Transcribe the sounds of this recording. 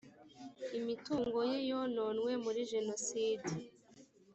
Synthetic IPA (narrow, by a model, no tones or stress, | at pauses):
imituːŋɡo̞jejononŋwe̞muɾiʒe̞nosiːdi